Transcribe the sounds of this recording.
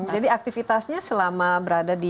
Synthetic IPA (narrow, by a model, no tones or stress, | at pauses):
d͡ʒadiak̚t̪ifit̪asɲasəlamabəɾadadi